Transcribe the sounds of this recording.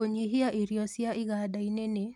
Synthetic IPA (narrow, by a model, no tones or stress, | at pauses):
oɲiɦiaʔiɾjɔsjaʔɪɣadainene